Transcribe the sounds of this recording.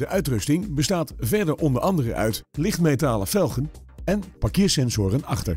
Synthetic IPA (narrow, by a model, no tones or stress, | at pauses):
dəʔœɥtrɵstɪŋbəstaːtvɛɹdəɹʔɔndəɹʔɑndərə̰ʔœ̰ɥtlɪχtmejtaːləfɛlˠχən | ɛnpakɪːɹsɛnzʊːrənɑχtə̰ɹ